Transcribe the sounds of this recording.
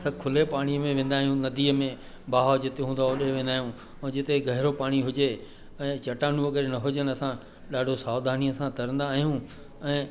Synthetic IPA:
sãkʰʊlepaːɽ̃iəmẽʋẽːn̆d̪aːɦijũnɐd̪iːəmẽ | baːɦod͡ʑɪt̪eɦũːnd̪aoɗeʋẽːnd̪aːɦijũ | ɛ̃ːd͡ʑɪt̪eɡʱɐɦɪɾopaːɽ̃iɦʊd͡ʑe | ɛ̃ːt͡ɕɐʈaːnũɐɡəɾnɐɦʊd͡ʑənɪ̆ɐsã | ɗaːɖʱosaːwd̪ʱaːniəsãt̪ʰɐɾə̃nd̪aːɦijũ | ɛ̃ː

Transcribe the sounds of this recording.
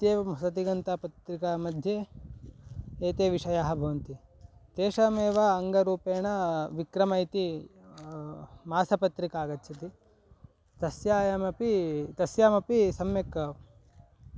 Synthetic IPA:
t̪jeːmɐsɐt̪̬iɡɐnt̪ɐpɐt̪ɾikamɐd̪ʱje | eːt̪eːʋiʂɐjaːɦɐ̆bʱɐʋɐnt̪it̪eːʃɐmeːʋaːɐŋɡɐɾuːpeːɳɐʋikɾɐmɐjt̪i | maːsɐpɐt̪ɾikaːɡɐtːt͡ʃʰɐt̪i | t̪ɐsjaːjɐmɐpit̪ɐsjaːmɐpisɐmjekːɐ

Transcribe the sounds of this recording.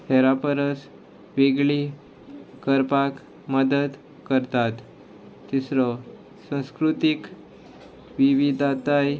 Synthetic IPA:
hʰɛɾapəɾət͡s | ʋeɡɭi | kəɾpak | məd̪əd̪ | kəɾt̪at̪ː | isɾɔ | sə̃w̃skɾut̪ik | ʋiʋid̪ʱat̪aj

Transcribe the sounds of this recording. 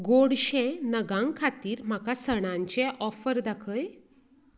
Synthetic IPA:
ɡoɽɕẽnəɡãŋɡkʰat̪iːɾm̤akasəɽ̃ãɲt͡ɕeʔɔfəɾd̪akʰəj

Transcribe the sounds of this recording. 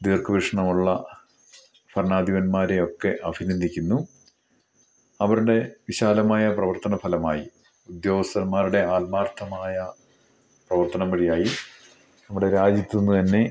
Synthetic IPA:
d̪iːrkʰɨʋiʂɐɳɐmuɭːɐ | pʰɐɾɳaːd̪iʋɐnmaːɾe̞o̞kːe̞ʔɐbʱinind̪ʱikʲːunːu | ɐʋɐɾuɽe̞ʋiɕaːlɐmaːjɐprɐʋɐrt̪ɐnɐfʰɐlɐmaːji | ud̪jo̞ːɡɐst̪ɐnmaːɾuɽe̞aːlmaːrt̪ʰɐmaːjɐ | prɐʋɐrt̪ɐnɐmbɐɻijaːji | nɐmːuɽe̞ɾaːd͡ʑit̪ʲːunːut̪ɐnːe̞

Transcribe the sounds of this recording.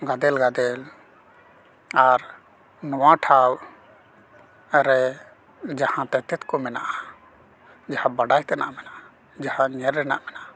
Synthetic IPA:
ɡad̪ɛlɡad̪ɛl | aɾ | nɔwaʈʰaw | ɾɛ | d͡ʒahãt̪ɛt̪ɛt̪kɔmɛna̰ʔa | d͡ʒahãbaɖajt̪ɛna̰ʔmɛnaʔa | d͡ʒahãɲɛɾːɛna̰ʔmɛnaa

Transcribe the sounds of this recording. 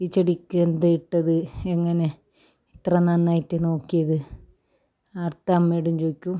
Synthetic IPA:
it͡ɕːɐɽikʲːuend̪ajiʈːɐðɨeŋːɐne̞ | it̪rɐnɐnːaːjitːɨno̞ːkːijɐðɨ | ɐrt̪amːeːɽumt͡ɕoːikʲːum

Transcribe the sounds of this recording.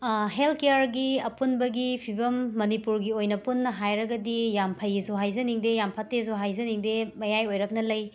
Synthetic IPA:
ɦelkejaɾɡiɐpunbɐɡipʰibɐmːɐnipuɾɡiojnɐpunːɐɦajɾɐɡɐdijampʰɐjizoɦajzɐniŋdejampʰatːezoɦajzɐniŋdemɐjajojɾɐk̚nɐlɐj

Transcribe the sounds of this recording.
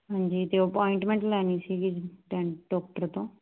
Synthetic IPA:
ɦãːɲd͡ʒiːt̪eːəpɔːĩɳʈmẽːɳʈlɛːniːsiːɡɪʈɛːɖɔːk̚ʈəɾt̪õː

